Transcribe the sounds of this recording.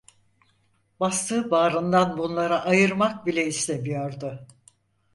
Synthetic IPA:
bast̪ɯːbaːɾɯnd̪anbunlˠaɾaʔajɯɾmak̚bilʲɛislʲe̞mijoɾd̪ʊ

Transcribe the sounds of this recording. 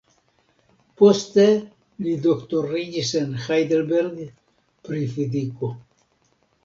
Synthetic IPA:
post̪e | lid̪okt̪orːid͡ʒisenxajd̪elbeɾɡ | pɾifid̪iko

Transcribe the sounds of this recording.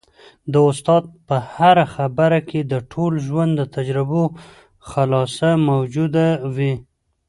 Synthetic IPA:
d̪əʊst̪ɑd̪̚pəhaɾaxabaɾakʰed̪əʈʰolʒwand̪d̪ːət̪ʰad͡ʒɾɪbo | xalɑsamawd͡ʒud̪awi

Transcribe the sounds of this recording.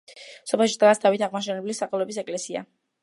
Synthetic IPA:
sɔpʰɛlˠʃid̪̥ɡasd̪avit̪ʰaʁmaʃɛnɛblisːaχɛlˠɔɛbis̬ɛkʼlɛsia̰

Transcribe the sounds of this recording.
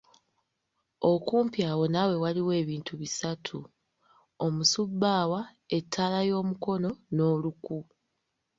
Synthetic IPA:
o̞kuːmpjaːwo̞nawe̞waliwe̞ːβiːntʰuβisatʰu | o̞musubːaːwa | e̞tʰːaːlajo̞ːmuko̞no̞no̞ːluku

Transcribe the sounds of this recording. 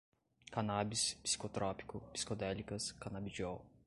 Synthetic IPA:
kanabispsi̥kot̪ɾɔpi̥kʊpi̥si̥kod̪ɛlikɐskanabid͡ʒiɔw

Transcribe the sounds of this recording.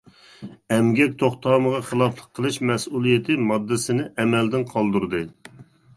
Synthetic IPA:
ɛmɡʲɛk̚ʲt̪ʰoχt̪ʰɑːməʁɑχəlˠɑflˠəqʰːəlˠɨʃmɛsulˠijet̪ʰɪmɑd̪ːɨsɪnɪʔɛmɛld̪ɪnqʰɑlˠd̪uɾd̪ɨ

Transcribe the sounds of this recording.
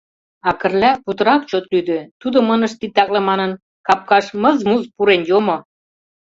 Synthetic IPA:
ɑkə̆rlæput̪ɤ̆ɾɑk̚t͡ɕot̪lyd̪ø̆t̪ud̪ŏmɤnə̆ʃt̪it̪ːɑklɑmɑnən | kɑp̚kɑʃmɤzmuzpuɾenjomo

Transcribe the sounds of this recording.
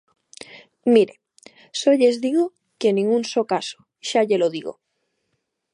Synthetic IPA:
miɾe | soʎezðiɣo | kenĩŋɡunsokaso̥ | ʃaʎeloðiɣo̰

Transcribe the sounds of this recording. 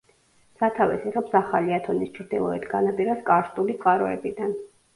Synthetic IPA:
sat̪ʰavɛsiʁɛpsaχaliat̪ʰɔnist͡ʃʰɾd̪ilˠɔɛt̪ʰɡanapʼiɾaskʼaɾst̪ʼuliqʼaɾɔɛ̰bid̪an

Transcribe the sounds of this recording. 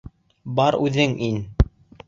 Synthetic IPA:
bɑɾʉðɘŋin

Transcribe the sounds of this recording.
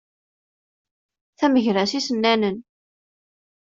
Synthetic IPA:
θæməʝɾæsisənːænən

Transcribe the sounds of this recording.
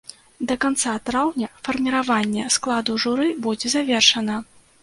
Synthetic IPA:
d̪ɐkant̪sat̪ɾawnʲɐfɐrmʲiɾavanʲːɛsklˠad̪uʐuɾɨbud͡zʲɛzavʲɛrʂɐnɐ

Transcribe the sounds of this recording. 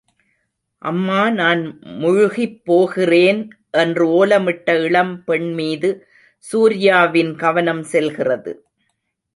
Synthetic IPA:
ʔɐ̰mːaːnaːnmʊɻʊɣipːoːɣɪreːn | ʔɛndrɯoːlɐmɪʈːɐɪɭɐmpɛɳmiːðɯ | suːɾɪjaːʋɪnɡɐʋɐnɐmsɛlɣɪrɐðɯ̰

